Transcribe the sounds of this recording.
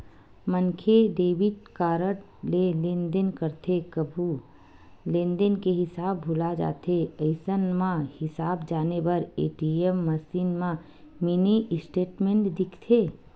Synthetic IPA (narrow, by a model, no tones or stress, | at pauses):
mənkʰeɖeːbɪʈ̚kaːɾəʈ | lelẽnd̪ənkəɾt̪ʰekəbʱu | lẽnd̪ənkeɦɪsaːbːʱulad͡ʒa̰ːt̪ʰeəɪsənmãhɪsaːbd͡ʒaːnebəɾḛːʈiemːəsiːnmã | miniʔsʈeːʈmẽɳʈd̪ɪkʰt̪ʰeː